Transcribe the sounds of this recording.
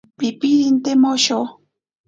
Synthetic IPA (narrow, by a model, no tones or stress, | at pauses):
pipiɾint̪emoʃo